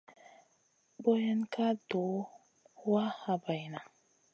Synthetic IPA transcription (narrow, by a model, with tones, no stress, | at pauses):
bo˦ja˦nka˦do˨˦ | wa˦ha˨ba˨jna˨